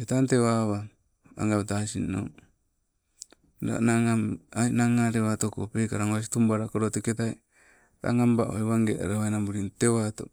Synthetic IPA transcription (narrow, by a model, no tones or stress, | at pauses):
etantewaβa | a̰ŋɡaβtasino̰ | ɾa̰naŋaainaŋaɾeβatoko̰pekaɾaŋwas̬itumbaɾakoɾoteketaj | ɾa̰ŋambaʔoeβaŋɡeʔa̰ɾaβajnambuɾintewato̰